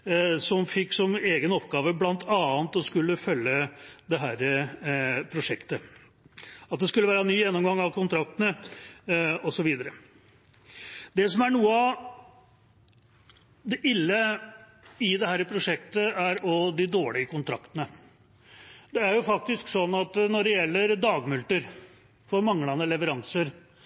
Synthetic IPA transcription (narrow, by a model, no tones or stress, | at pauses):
sɔmfɪkːsɔmeːɡənɔpɡɑːʋəblɑnt̪ʰɑːnt̪ɔskʉlːəfœlːəd̪ɛɦæːɾə | pʰɾʊʂɛkt̪ə | ɑt̪̚d̪ɛskʉləʋæːɾənyːjɛnːɔmɡɑŋːɑʋkʰʊnt̪ʰɾɑk̚t̪ənə | ɔsɔʋiːd̪əɾə | d̪ɛsɔmæɳuːəɑ | d̪ɛʔɪlːə | ɪd̪ɛhæːɾəpʰɾʊʂɛkt̪əæɾɔd̪ɪd̪oːɭɪəkʊnt̪ʰɾɑkt̪ənə | d̪ɛæɾjʊfɑk̚t̪ɪsksɔnːɑt̪nɔɖɛjɛlːəɾd̪ɑːɡmʉlt̪əɾ | fɔɾmɑŋlɑnəlɛʋəɾɑŋsəɾ